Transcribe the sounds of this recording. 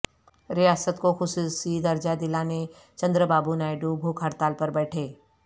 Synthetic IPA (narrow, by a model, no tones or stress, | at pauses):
ɾɪjaːsət̪koxʊsusid̪ɐɾd͡ʒad̪ɪlaːne | t͡ʃɐ̃nd̪ɾəbaːbunaːɪɖubʱuːkʰɐɾt̪aːlpɐɾbɛːʈʰeː